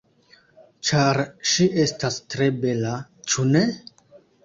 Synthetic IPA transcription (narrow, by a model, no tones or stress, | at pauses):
t͡ʃaɾʃiʔe̞stastɾe̞be̞lat͡ʃune̞